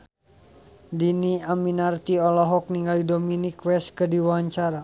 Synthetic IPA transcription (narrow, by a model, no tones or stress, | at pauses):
diniaminart̪iɔlɔɦɔk̚niŋɡalidominikwɛskədiwaɲt͡ʃaɾa